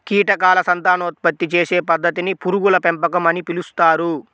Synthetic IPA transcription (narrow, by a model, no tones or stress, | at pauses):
kiːʈɐkaːlɐsɐnt̪aːnɐut̪̚pɐt̪ːit͡ʃeːse̞ːpɐd̪ːɐt̪inipuɾuɡulɐpempɐkɐmɐnipilust̪aːɾu